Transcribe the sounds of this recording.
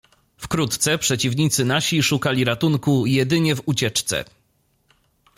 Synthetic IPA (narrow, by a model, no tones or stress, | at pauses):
fkɾut̪t̪sɛpʂɛt͡ɕivɲit̪sɘnaɕiʂukalʲiɾat̪uŋkujɛd̪ɘɲɛvut͡ɕɛt͡ʂt̪sɛ̰